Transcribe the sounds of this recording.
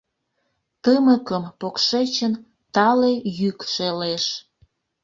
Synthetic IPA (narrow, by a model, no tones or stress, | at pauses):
t̪əməkəmpokʃet͡ɕən | t̪ɑlejykʃeleʃ